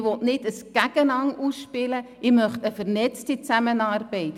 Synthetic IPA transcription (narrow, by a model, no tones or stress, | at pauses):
ʋɔtnɪdəsɡ̥æɡ̥ənɑŋuːsʃpɪlə | ɪmœχtəfəɾnɛt͡stit͡sæmənɑːrbɛɪt